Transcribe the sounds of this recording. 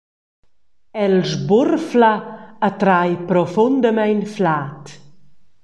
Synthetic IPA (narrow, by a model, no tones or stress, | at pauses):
ɛlʒburflaat̪ɾajpɾɔfɔnd̪əmɛjnflaːt̪